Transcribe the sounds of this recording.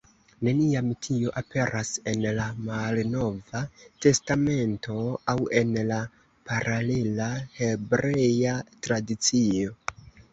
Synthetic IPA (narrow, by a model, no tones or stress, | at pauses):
ne̞niamtʰioʔape̞ɾʔase̞nlamalno̞vate̞stame̞ntʰo̞awe̞nla | paɾale̞lahe̞bɾe̞jatɾadit͡sio̞